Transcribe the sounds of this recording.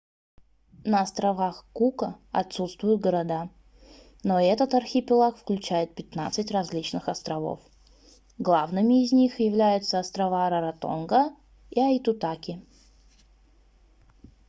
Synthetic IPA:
nəɐst̪ɾɐvaxkukəɐt̪sut̪st̪vʊjʊt̪̚ɡəɾɐd̪a | noɛt̪ət̪ɐrxʲɪpʲɪlˠakfklʲʉt͡ɕæjɪt̪̚pʲɪt̪nat̪sɨtʲrɐzʲlʲit͡ɕnɨxɐst̪ɾɐvo̞̰f | ɡlˠavnɨmʲɪːzʲnʲixjɪvlʲæjʊt̪səɐst̪ɾɐvaɾəɾɐt̪o̞̰nɡə | iɐjt̪ʊt̪akʲɪ

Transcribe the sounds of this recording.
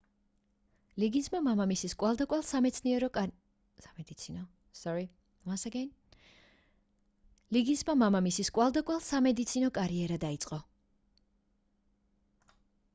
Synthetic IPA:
liɡismamamamisiskʼwalˠd̪akʼwalˠsamɛt̪sʰniɛɾɔ | samɛd̪it̪sʰinɔ | sɔɾi | wansaɡɛn | liɡismamamamisiskʼwalˠd̪akʼwalˠsamɛd̪it̪sʰinɔkʼaɾiɛɾad̪ait̪sʼqʼɔ

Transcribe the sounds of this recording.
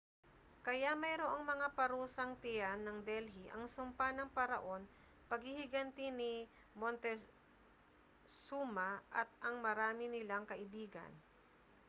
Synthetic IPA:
kɐjamɐjɾoʔoŋmɐŋapɐɾuːsɐŋt̪ɪjanːɐŋd̪ɛlɦiʔɐŋsʊmpanɐŋpɐɾɐ̰ʔo̞n | pɐɡ̚hɪhɪɡɐnt̪ɪnɪ | mont̪ɛ | suːmɐʔɐt̪̚ʔɐŋmɐɾaːmɪnɪlaŋkɐʔɪbiːɡɐ̰n

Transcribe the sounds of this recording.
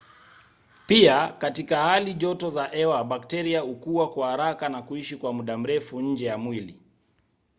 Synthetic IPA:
piakatikahaliʄɔtɔzaʔɛwaɓaktɛɾiaukuwakwahaɾakanakuiʃikwamuɗam̩ɾɛfuɲ̩d͡ʒɛjamwili

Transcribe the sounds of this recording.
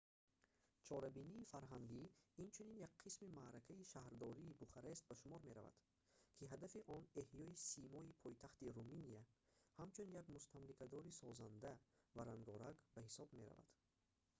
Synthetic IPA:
t͡ʃʰɔɾabiniːfaɾɦaŋɡiːnt͡ʃʰuninjak̚qʰismimaɾakʰaiʃahɾd̪ɔɾiːbuχaɾest̪̚baʃumɔɾme̞ɾa̰va̰d̪̥ | kʰiɦad̪afiʔɔne̞hjɔisimɔipʰɔjt̪ʰaχt̪iɾuminijahamt͡ʃʰunjaɡmust̪ʰamlikʰad̪ɔɾisɔzand̪ævaɾaŋɡɔɾaɡbahisɔbme̞ɾa̰va̰d̪̥

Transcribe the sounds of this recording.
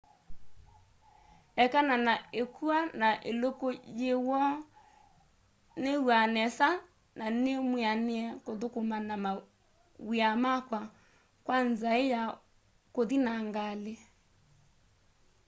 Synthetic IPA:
ɛkananaekʰuanaʔelokojewɔ | newanɛsa | nanemwianeɛkoðokomanama | wiamakwa | kwanzaeja | koðinaŋɡale

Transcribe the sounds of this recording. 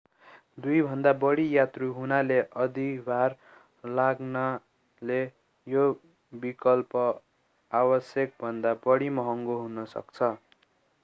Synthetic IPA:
d̪ujbʱʌnd̪abʌɽijat̪ruɦunaleʔʌd̪ibʱar | laɡna | le | jo | bikʌlpʌ | abʌsjʌk̚bʱʌnd̪abʌɽimʌɦʌŋɡoɦunʌsʌ̰kt͡sʰʌ

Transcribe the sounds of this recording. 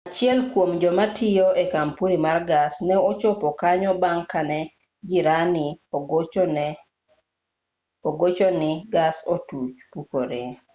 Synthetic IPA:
at͡ʃɪɛlkwomd͡ʒɔmatʰɪjoekampuɾimarɡasnɛot͡ʃɔpɔkaɲɔbaŋkanɛ | d͡ʒɪɾanɪ | oɡot͡ʃɔnɪɡasotut͡ʃpukoɾe

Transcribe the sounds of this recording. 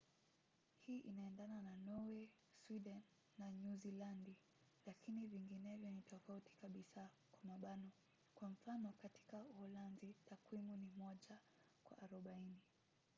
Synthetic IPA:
hiːʔinaɛndanananɔwɛ | swiɗɛnː | anuzilandi | lakiniviŋɡinɛvjɔnitɔfautʰi̥kaɓisa | kwamaɓanɔ | kwaɱ̩fanɔkati̥kauhɔlanzitakwimunimɔʄa | kwa̰ʔaɾɔɓaini

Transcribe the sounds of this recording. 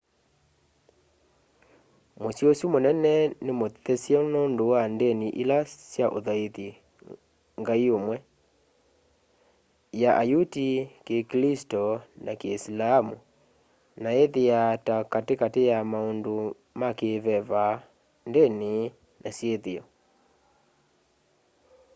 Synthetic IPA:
mosjosjumonɛnɛnemoθɛsjɔnondowandeniʔelasjaʔo̰ðaeði | ŋɡaiomwɛ | jaʔajutikeklistɔnakeːslaːmu | naeðejatakatekatejamaondo | makeβɛβa | ndene | nasjeðeɔ

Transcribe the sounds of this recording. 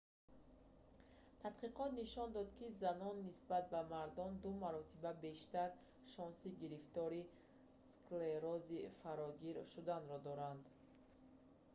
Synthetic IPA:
t̪ʰat̪qiqɔt̪niʃɔnd̪ɔd̪kʰizanɔnːisbat̪̚bamaɾd̪ɔnd̪umaɾɔt̪ʰibabe̞ʃt̪aɾ | ʃɔnsiɡiɾift̪ɔɾi | skleɾɔzifaɾɔɡiɾʃud̪anɾɔd̪ɔɾand̪

